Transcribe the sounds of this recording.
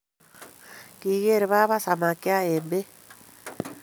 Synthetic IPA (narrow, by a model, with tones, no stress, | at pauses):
ki˨ɣe˦ɾe˨βa˦βa˦sa˨ma˨kja˦e˨mbe˦